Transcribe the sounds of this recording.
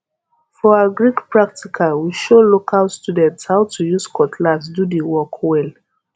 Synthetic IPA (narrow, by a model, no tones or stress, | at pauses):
fɔaɡɹikpɹak̚tikʰawiʃolokʰalstjudɛ̃ntshaʊtʰujuskʰɔtʰlasdudəwɔkʰwɛl